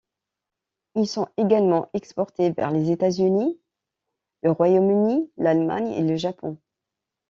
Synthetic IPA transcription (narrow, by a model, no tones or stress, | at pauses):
ilsɔ̃eɡalmɑ̃ʔɛkspɔʁt̪evɛ̰ʁlezet̪azyni | ləʁwajomynilalma̰ɲḛləʒapɔ̃